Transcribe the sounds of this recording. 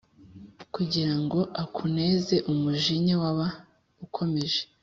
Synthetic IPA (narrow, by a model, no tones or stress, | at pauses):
kuɟiɾaŋɡo̞ʔakʰune̞ze̞ʔumuʒiɲiwaβa | ukʰo̞me̞ʒe